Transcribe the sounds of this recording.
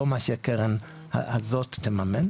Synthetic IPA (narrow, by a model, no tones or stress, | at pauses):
omaʃekeʁen | ha̰a̰zottːemamen